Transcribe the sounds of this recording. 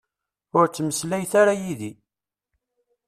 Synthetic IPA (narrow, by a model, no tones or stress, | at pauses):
ʊɾt͡sːməslæjθaɾajiði